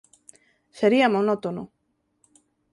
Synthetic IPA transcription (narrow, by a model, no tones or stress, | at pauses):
seɾiamonot̪ono